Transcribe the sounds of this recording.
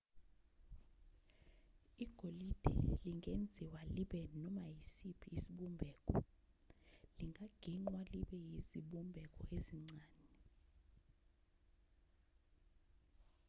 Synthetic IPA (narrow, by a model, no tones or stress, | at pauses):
iɡ̥ʱolid̥ʱɛ̰liŋɡʱend͡zʱiwaliɓɛnɔmajisipʰiːsiɓumbʱɛːkʼɔ | liŋɡʱaɡ̥ʱiŋ͡ǀwaliɓɛjiziɓumbʱɛk̬ʼɔ̰eziŋ͡ǀaːni